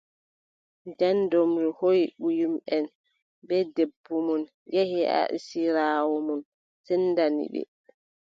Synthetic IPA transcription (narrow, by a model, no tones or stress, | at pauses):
ndɛndɔmɾihojɓujumʔɛn | bɛdebːumɔn | jehɛa̰ʔḭsiɾaːwɔmɔn | sɛnːdanḭɓɛ̰